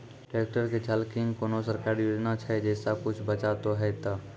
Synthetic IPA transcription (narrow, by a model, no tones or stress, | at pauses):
ʈeːk̚ʈəɾked͡ʒʰʱəlkɪŋɡkoːnosəɾkaːɾjoːd͡ʒnat͡ʃʰɛd͡ʒɛːsakʊt͡ʃʰbət͡ʃaːt̪oɦɛt̪aː